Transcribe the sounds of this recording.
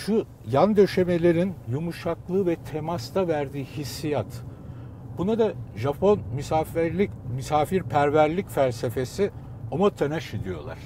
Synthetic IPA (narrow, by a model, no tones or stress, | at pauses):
ʃu | jand̪ø̞ʃe̞me̞lʲe̞ɾinjumuʃaklˠɯːvɛt̪ʰe̞mast̪ʰavæɾd̪iːhisːijat̪ | bunad̪aʒapʰo̞nmysaimysaːfiɾpʰæɾvæɾlʲicfælʲse̞fe̞si | omat̪ʰenaʃid̪ijo̞̰lˠa̰ɾ̥